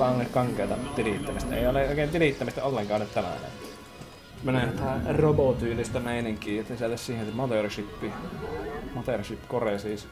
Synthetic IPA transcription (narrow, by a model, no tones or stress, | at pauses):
ɑˑonːekkɑŋkˑeˑːt̪ɑ̰t̪iliˑt̪ːæmist̪æḛˑioleˑʔoˑikeˑːnt̪iliˑt̪ːæmist̪æolːeŋkɑːˑʔonet̪t̪ænæ̰ˑnḛ | meneˑnt̪æˑroboˑt̪yːlist̪æmeˑiniŋkˑiːet̪ːesielːæssiːhensemot̪erʃipːi | mot̪erʃipːkoreˑsiːs